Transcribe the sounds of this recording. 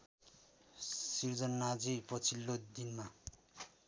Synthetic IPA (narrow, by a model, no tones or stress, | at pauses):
sird͡zʌnːad͡zipʌt͡sʰilːod̪inma